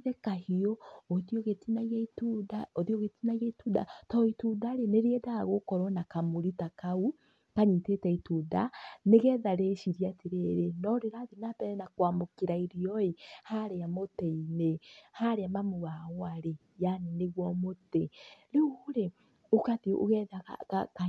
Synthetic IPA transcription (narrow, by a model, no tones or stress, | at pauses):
ðɛkahiɔoðjoɣetinaɣeitudaoðioɣetinaiɣeituːda̰tɔitudaɾeneɾeɛdaɣokɔɾɔnakamoɾitakau | kaɲitetɛituda̰neɣɛðaɾeʃiɾiateɾeɾenɔɾeɾaðenapɛɾɛnakwaːmokeɾaiɾiɔehaɾeamotɛinehaɾeamamoɣaoaɾe | janeneɣwɔmoteɾeuuɾe | okaðʔo̰ɣɛðaa̰kaka